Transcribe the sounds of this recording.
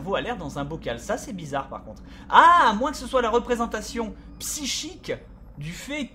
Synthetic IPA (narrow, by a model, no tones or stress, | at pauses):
ʁvoalɛʁd̪ɑ̃zɛ̃bɔkalsasɛbizaʁpa̰ʁkɔ̃t̪χ | amwɛ̃kə̥səswalaʁəpχezɑ̃t̪asjɔ̃ | psiʃik | d̪yfɛ